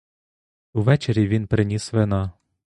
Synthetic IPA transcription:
uʋɛt͡ʃeɾʲiʋʲinpɾɪnʲisʋenɑ

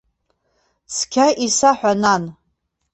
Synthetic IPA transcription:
skʲʰaʔisaħʷᶣanan

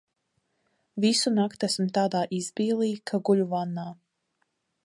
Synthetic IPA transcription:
visunakt̪æsmt̪aːd̪aːʔizbiːlˠiːkʰaɡuʎuvanːaː

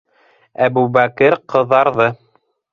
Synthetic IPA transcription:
æbubækɘɾqɤ̆ðːɑɾðɤ

